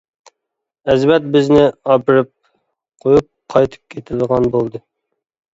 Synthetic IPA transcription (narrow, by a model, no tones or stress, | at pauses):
ɛzvɛt̪̚bɪznɪɑpɨɾɨp̚ | qʰojup̚qʰɑjt̪ʰɨ̥p̚kʲʰet̪ʰɪd̪əʁɑnbolˠd̪ɨ